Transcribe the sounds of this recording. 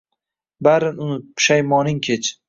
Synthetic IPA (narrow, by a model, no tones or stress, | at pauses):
baɾɪnʊnɪt̪̚pʰʃajmɒnɪŋkʲʰet͡ʃʰ